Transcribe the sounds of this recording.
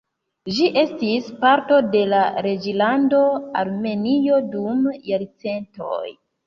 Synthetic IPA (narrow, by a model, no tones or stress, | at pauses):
ʒiʔe̞stispaɾto̞de̞laɾe̞d͡ʒilando̞aɾme̞nio̞dumjaɾt͡se̞nto̰j